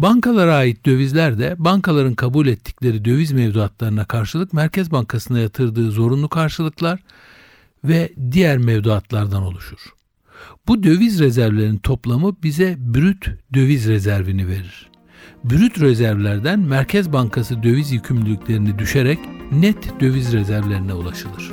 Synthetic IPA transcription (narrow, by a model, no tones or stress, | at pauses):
baŋkʰalˠaɾaːjit̪̚d̪ø̞vizlʲæɾd̪ɛbaŋkʰalˠaɾɯnkʰabulʲɛt̪ʰːi̥clʲe̞ɾid̪ø̞vizmɛvd̪uat̪lˠaɾɯnakʰaɾʃɯlˠɯkmæɾcʰɛzbaŋkʰasɯnajat̪ʰɯɾd̪ɯːzo̞ɾunlˠukʰaɾʃɯlˠɯklˠaɾ | vɛd̪ijæɾmɛvd̪uat̪lˠaɾd̪ano̞̰lˠuʃuɾ̥ | bud̪ø̞vizɾezæɾvlʲe̞ɾint̪ʰo̞plˠamɯbizɛbyɾyt̪d̪ø̞vizɾezæɾvinive̞ɾiɾ̥ | byɾyt̪ɾezæɾvlʲæɾd̪ænmæɾcʰɛzbaŋkʰasɯd̪ø̞vizjycʰymlʲylʲycʰʲlʲe̞ɾinid̪yʃeɾɛcnɛt̪ʰd̪ø̞vizɾezæɾvlʲe̞ɾinɛulˠaʃɯlˠɯɾ̥